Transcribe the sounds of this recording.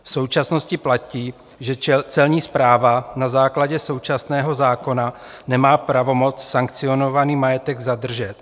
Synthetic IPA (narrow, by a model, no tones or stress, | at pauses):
fso̞wt͡ʃasno̞scɪplaciː | ʒɛt͡sɛlɲiːspɾaːvanazaːklaɟɛso̞wt͡ʃasnɛːɦo̞zaːko̞na | nɛmaːpɾavo̞mo̞t͡ssaŋkt͡sɪo̞no̞vaniːmajɛt̪ɛɡzad̪r̩ʒɛt̪